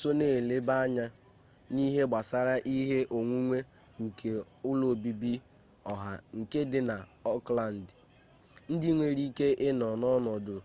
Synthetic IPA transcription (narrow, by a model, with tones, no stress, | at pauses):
so˦neː˦˨le˦ba˦a˦ɲa˦ | ni˦ɦe˦ɡ͡ba˨sa˦ɾa˦ʔi˦ɦe˦ʔo˨ŋʷu˦ŋʷe˦ | ŋ̩˨kʰe˨ | ʊ˦lo˨bi˦bi˦ | ɔ˨ɦa˨ŋ̩˨ke˦dɪ˨na˨ | ɔ˦kla˨n̩˨d | n̩˦dɪ˦ŋʷe˨ɾi˦ke˦ʔɪ˦nɔ˨nɔ˦nɔ˨dʊ˨